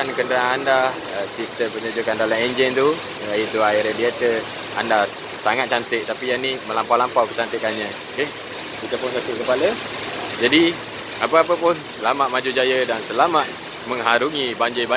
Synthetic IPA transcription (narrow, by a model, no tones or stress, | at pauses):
ankəndəɾaaŋanda | əsist̪əmpəɲəd͡ʒukandalamɛnd͡ʒint̪u | ajit̪uaiɾdiat̪ə | anda | saŋat̪̚t͡ʃant̪ɪʔ̚t̪apijanimə̃lampawlampawkə̥t͡ʃant̪ɪkanɲə̃ | ke | kit̪əpʊnsak̪ɪʔ̚kəpalə | d͡ʒadi | apəapəpʊnsəlamaʔ̪̚mad͡ʒud͡ʒajədansəlamaʔ̚ | məŋɦaɾuŋibaɲd͡ʒɪba